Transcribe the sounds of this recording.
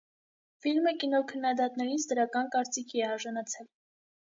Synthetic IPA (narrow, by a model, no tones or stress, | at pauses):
filməkinɔkʰənːɑd̪ɑt̪nɛɾit͡sʰd̪əɾɑkɑnkɑɾt͡sikʰiɛɑɾʒɑnɑt͡sʰɛl